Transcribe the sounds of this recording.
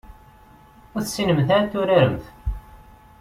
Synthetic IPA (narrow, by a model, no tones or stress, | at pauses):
ʊθsinəmθaɾt̪ːuɾaɾəmθ